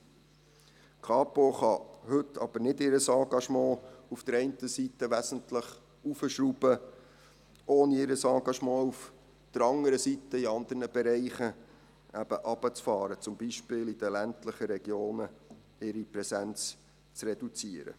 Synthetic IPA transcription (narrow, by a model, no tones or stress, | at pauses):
kʰɑːpoχɑhɵtʰːɑb̥əɾnɪdɪɾəsɑ̃ːɡɑʃmɑ̃ːufd̥əɾɛɪntəsit̪əʋæsəntləχ | ufəʃɾubə | ʔoːniɪɾəsɑ̃ːɡɑʃmɑ̃ːuf | d̪̥əɾɑŋəɾəsitːəiɑnd̪əɾnəb̥ɛɾɛɪχə | æb̥əʔɑb̥ət͡sfɑːɾət͡sʊmbiʃpɪːlid̥̪əlæntləχəɾɛɡ̥joːnə | ɪɾipɾɛsænt͡s | t͡srɛdut͡siəɾə̰